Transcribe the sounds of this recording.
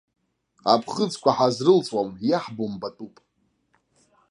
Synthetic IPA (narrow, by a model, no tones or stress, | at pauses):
a̰pʰχət͡skʷʼaħazrɨlt͡sʼwamjaħbombatʼupʼ